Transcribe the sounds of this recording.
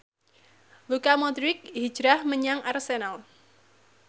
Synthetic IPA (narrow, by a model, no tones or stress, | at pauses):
wukamɔd̪ɾik̚hid̥d͡ʒ̥ɾahməɲaŋʔarsenal